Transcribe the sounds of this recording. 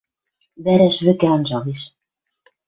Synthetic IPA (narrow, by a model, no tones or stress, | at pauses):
bæɾæʃβɘ̆kæɑnʒɑʁiʃ